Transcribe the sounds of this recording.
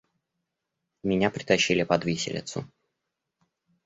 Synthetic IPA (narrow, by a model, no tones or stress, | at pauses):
mʲɪnʲapɾʲɪt̪ɐɕːilʲɪpɐd̪vʲisʲɪ̰lʲɪ̰t̪sʊ̰